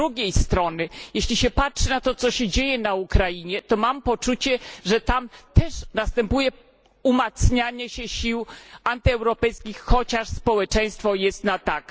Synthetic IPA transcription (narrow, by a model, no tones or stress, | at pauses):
ɾuɡʲejst̪ɾɔnɘjeɕlʲiɕɛpatʂɘnat̪ɔt̪sɔɕɛd͡ʑejɛnaukɾajiɲɛt̪ɔmampɔt͡ʂut͡ɕɛʐɛt̪amt̪ɛʂnast̪ɛmpujɛ | umat̪sɲaɲɛɕɛɕiwant̪ɘɛwɾɔpɛjskʲixxɔt͡ɕaʂspɔwɛt͡ʂɛj̃st̪fɔjɛst̪nat̪ak